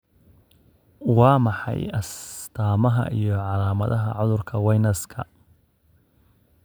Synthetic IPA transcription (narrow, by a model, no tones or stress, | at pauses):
wɑːmɑħɑ̰jʔɐst̪ʰaːmɐɦɐ̰ʔḭjɞʕɑlaːmɐðɐɦɐ̰ʕʊðʊrkʰɐwɑjnɐskʰɐ̰